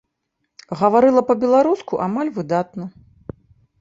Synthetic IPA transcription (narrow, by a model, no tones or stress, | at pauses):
ɣɐvaɾɨlˠɐpɐbʲɛlˠaɾuskuʔamalʲvɨd̪at̪̚nɐ